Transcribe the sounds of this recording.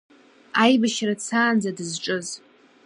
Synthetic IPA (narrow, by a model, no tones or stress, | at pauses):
ajbaʃrat͡sʰaːnd͡zadɨzʈ͡ʂʼɨz